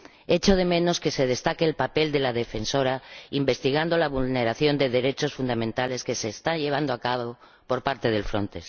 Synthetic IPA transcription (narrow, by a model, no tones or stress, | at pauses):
e̞t͡ʃo̞ð̞e̞mẽ̞no̞ske̞se̞ð̞e̞st̪akeːlpape̞ld̪e̞laðe̞fe̞nso̞ɾaimbe̞st̪iɣ̞and̪o̞laβ̞ulne̞ɾaθjo̞nd̪e̞ðe̞ɾe̞t͡ʃo̞sfund̪amẽnt̪ale̞ske̞se̞ːst̪anʎe̞β̞and̪oakaβo | po̞ɾpaɾt̪e̞ð̞e̞lfɾo̞̰nt̪e̞